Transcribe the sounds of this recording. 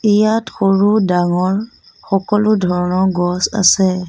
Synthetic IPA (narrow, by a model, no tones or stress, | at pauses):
ijatxoɹudaŋɔɹ | xɔkɔlʊdʱɔɹɔnɔɡɔsa̰sɛ